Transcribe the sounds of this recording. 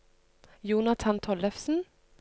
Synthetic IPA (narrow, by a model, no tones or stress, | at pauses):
juːnɑt̪ʰɑnt̪ʰɔlɛfsn̩